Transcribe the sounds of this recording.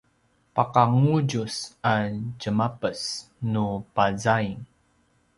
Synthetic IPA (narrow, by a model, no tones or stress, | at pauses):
paqaŋuɟusaɟəmapəs | nupazaiŋ